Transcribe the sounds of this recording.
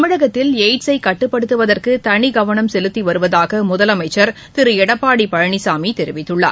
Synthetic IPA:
ɐmɪɽɐɣɐt̪ːɪleɪʈsɐɪkɐʈːɯpːɐɽɯt̪ːɯʋɐðɐrkɯt̪ɐɳiɡɐʋɐɳɐmsɛlɯt̪ːiʋɐɾɯʋɐðaːɣɐmʊðɐlɐmɐɪt͡ʃːɐɾ | t̪ɪɾɯɛɽɐpːaːɽipɐɻɐɳisaːmit̪ɛɾɪʋɪt̪ːɯɭːa̰ː

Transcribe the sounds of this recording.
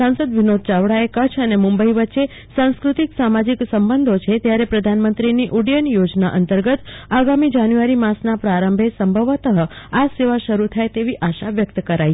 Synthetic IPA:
sãnsəd̪ʋinod̪̚t͡ʃaʋɽaekət͡ʃʰənemũmbəiʋətːʃe | sãñskɾut̪iksamad͡ʒiksəmbənd̪ʱot͡ʃʰet̪jaɾepɾəd̪ʱanmənt̪ɾiniʔuɽjənjod͡ʒnaʔənt̪əɾɡət̪aɡamid͡ʒanjuʋaɾimasnapɾaɾəmbʱesəmbʱəʋət̪əɦəaseʋaʃəɾut̪ʰajt̪eʋiʔaʃaʋjəkt̪kəɾaj

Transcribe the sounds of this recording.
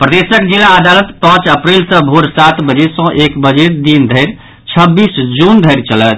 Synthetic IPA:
pɾəd̪esəkd͡ʒilaəd̪alət̪pə̃t͡ʃəpɾilsə̃bʱoɾsat̪bəd͡ʒesɔ̃ʔekbəd͡ʒeɾd̪ind̪ʱəɪɾ | t͡ʃʰəbːisd͡ʒund̪ʱəɪɾt͡ʃələt̪

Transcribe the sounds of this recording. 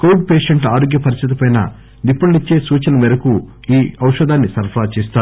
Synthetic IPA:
kowɖ̚peːʂɐɳʈaːɾoːɡjɐpɐɾist̪ʰit̪̬ipɐjnɐ̰ | d̪ipːɐɽɐnit͡ʃːe̞ːsuːt͡ʃɐnɐmɛːɾɐku | iːɐwʂɐd̪aːnːisɐɾpʰɾaːt͡ʃeːst̪aːɾu

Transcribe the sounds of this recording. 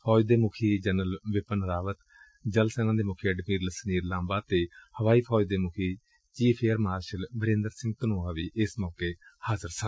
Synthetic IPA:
pʰɔːd͡ʒd̪eːmʊkʰiːd͡ʒənəlʋɪpənɾaːʋət̪ | d͡ʒəlsɛːnãːd̪eːmʊkʰeːəɖmiːɾləsniːɾlãːmbaːt̪eːhəʋaːiːpʰɔːd͡ʒd̪eːmʊkʰiː | t͡ʃiːpʰeːəɾmaːɾʃəlbəɾẽːnd̪əɾsɪ̃ŋɡt̪ənoːaːʋiːʔɪsmɔːkeːhaːzəɾsə

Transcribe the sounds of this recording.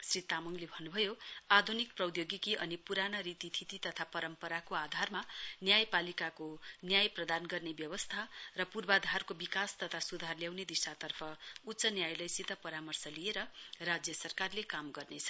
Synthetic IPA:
srit̪amʌŋlebʱʌnːubʱʌjoad̪ʱunik̚prʌd̪joɡikiʔʌnipuɾanaɾit̪it̪ʰit̪it̪ʌt̪ʰapʌɾʌmpʌɾakoad̪ʱarmanjajpalikakonjajprʌd̪anɡʌrnebjʌbʌst̪ʰarʌpurbad̪ʱarkobikast̪ʌt̪ʰasud̪ʱarljawned̪isat̪ʌrpʰʌutːsʌnjajlʌjsit̪ʌpʌɾamʌrsʌlijeɾʌrad͡zjʌsʌrkarlekamɡʌrnet͡sʰʌ̥

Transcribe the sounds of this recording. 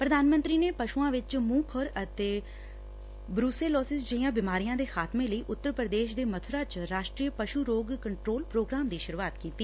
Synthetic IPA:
pɾəd̪aːnmənt̪ɾiːneːpəʃuãːʋɪt͡ʃmũːkʰəɾət̪eː | bɾuːseːlɔːsɪsd͡ʒəiãːbɪmaːɾijãːd̪eːxʰaːt̪mẽːləiːʔʊt̪ːəɾpɾəd̪eːʃd̪eːmət̪ʰʊɾaːt͡ʃɾaːʃʈɾiːəpəʃuːɾoːɡkəɳʈɾoːlpɾoːɡɾaːmd̪iːʃəɾuːaːt̪kiːt̪iː

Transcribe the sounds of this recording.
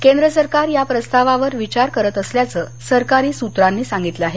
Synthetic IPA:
kend̪ɾəsəɾkaɾjapɾəst̪aʋaʋəɾʋit͡ɕaɾkəɾət̪əsljat͡səː | səɾkaɾiːsut̪ɾanːiːsãŋɡit̪ləaɦe

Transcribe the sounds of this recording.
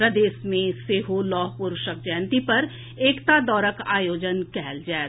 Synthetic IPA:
ɾəd̪eːsmẽseːɦolɔːɦpuɾʃək̚d͡ʒɛːnt̪ipɐɾ | eːkt̪ad̪ɔːɾəkaːjoːd͡ʒənkɛɦɛld͡ʒɛː

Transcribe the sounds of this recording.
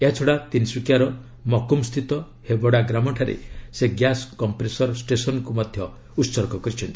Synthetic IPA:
eɦat͡ʃʰɔɽat̪insukjaɾɔ | mɔkumst̪ʰit̪ɔ | hebɔɽaɡɾamɔʈʰaɾḛseɡjaskɔmpɾesɔɾsʈesɔnɔkumɔd̪ʱjɔ | utːsɔɾkɔkɔɾit͡ʃʰɔnt̪i

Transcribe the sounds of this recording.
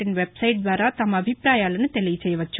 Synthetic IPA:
ʈinʋebsɐjʈ̚d̪ʋaːɾaːt̪ɐmɐːbʱipɾaːjaːlɐnut̪elijɐt͡ʃɛːjːɐʋɐt͡ʃːu

